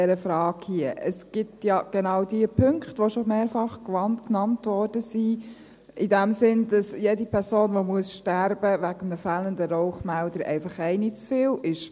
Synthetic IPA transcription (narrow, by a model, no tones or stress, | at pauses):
ɛɾəfɾɑːɡ̥hiəʔəsɡ̥ɪtjɑɡ̥enɑʊdiəpʰʏŋkχtʋoʃomeːɾfɑχkʋɑntknɑntʋɔɾd̥əsi | ʔɪdɛmsɪndɑsjedipʰɛɾsoːnʋomuəsʃtæɾb̥əʋæɡəmnəfæːləndəɾɔʊχmældəɾɛ̰ɪfɑχɛɪnit͡sfɪːlɪʃ